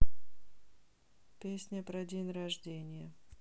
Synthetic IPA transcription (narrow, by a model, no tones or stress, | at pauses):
pʲesʲnʲəpɾɐdʲenʲrɐʐdʲenʲɪjə